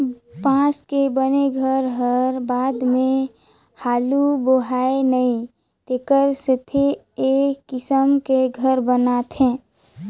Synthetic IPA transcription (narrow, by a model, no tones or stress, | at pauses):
pãːskebəneɡʱəɾɦəɾbaːd̪mẽ | haːluboɦaenəĩ | t̪ekəɾsɪt̪ʰe | ekːɪsəmkeɡʱəɾbənat̪ʰẽː